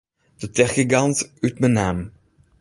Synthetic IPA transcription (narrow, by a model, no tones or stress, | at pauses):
d̥ətɛχiɡɑntytmənaːm